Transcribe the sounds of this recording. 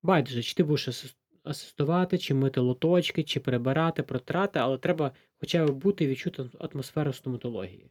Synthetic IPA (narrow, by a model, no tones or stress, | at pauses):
bɑjd̪ɪʒɐt͡ʃɪ̥t̪ɪbud̪eʃɐs | ɐsɪ̥st̪ʊʋɑt̪ɪt͡ʃɪmɪt̪ɪlˠɔt̪ɔt͡ʃkɪt͡ʃɪpeɾebɪɾɑt̪ɪpɾɔt̪ɾɑt̪ɪɐlˠɛt̪ɾɛbɐ | xɔt͡ʃɑbɪbut̪ɪʋʲit͡ʃut̪ɪɐ̰t̪mɔsfɛɾʊst̪ɔmɐt̪ɔlˠɔ̰ɦʲḭjḭ